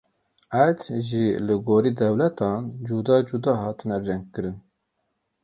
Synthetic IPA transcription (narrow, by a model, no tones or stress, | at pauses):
ʔæd̪ʒilɨɡoːɾiːd̪ɛwlɛt̪ʰɑːnd͡ʒud̪ɑːd͡ʒud̪ɑːɦɑːt̪ɨnɛrɛŋɡ̚kːɨɾɨn